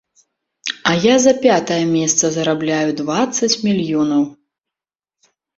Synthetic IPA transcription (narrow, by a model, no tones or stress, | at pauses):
ɐjazɐpʲat̪ɐjɐmʲɛst̪sɐzɐɾablʲajud̪vat̪sːɐt͡sʲmʲilʲjɔnɐw